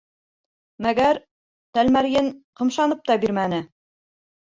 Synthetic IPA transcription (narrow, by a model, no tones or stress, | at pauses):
mæɡæɾ | t̪ælmæɾjɘnqɤ̆mʃɑnɤp̚t̪ɑbiɾmænɘ